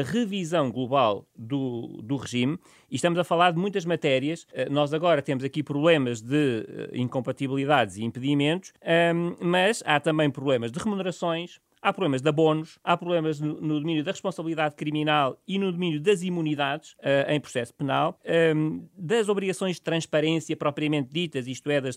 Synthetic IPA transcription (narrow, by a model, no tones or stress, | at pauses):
ɐʁɨvizɐ̃w̃ɡlˠuβalˠd̪ud̪uʁɨʒim | iʃt̪ɐmuzɐfɐlˠaɾðmũj̃t̪ɐʒmɐt̪ɛɾiɐʃɛnɔzɐɣɔɾɐt̪emuzɐkipɾuβlˠemɐʒðɨɛ̰ḭ̃ŋkõmpɐt̪iβlˠiðaðziĩmpɨðimẽnt̪u̥ʃɛmɐʃat̪ɐ̃mbɐ̃j̃pɾuβlˠemɐʒd̪ɨʁɨmunɨɾɐsõj̃ʃ | apɾuβlemɐʒd̪ɐβonuʃapɾuβlˠemɐʒnunuðuminjuðɐʁɨʃpõsɐβlˠiðaðkɾiminalˠinuðuminjuðɐzimuniðaðʃɛɐ̰̃j̃pɾu̥sɛsu̥pɨnalˠɛd̪ɐzɔβɾiɣɐsõj̃ʒðt̪ɾɐ̃ʃpɐɾẽsjɐpɾɔpɾiɐmẽnt̪̚d̪it̪ɐʃiʃt̪uɛðɐʃ